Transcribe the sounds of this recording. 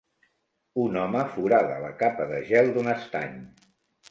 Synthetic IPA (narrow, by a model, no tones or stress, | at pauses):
unɔməfuɾaðələ̰kapəðəʒɛlˠd̪unəst̪a̰ɲ